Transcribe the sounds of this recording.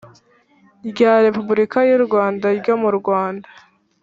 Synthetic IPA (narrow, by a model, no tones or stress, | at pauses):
ɟaːɾe̞pubuɾikajuɾɡwaːndaɾɟo̞muɾɡwaːndḁ